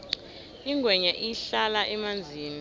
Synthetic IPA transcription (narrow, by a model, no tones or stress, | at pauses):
iŋɡwɛɲaʔijɬalaʔɛmand͡zʱiːni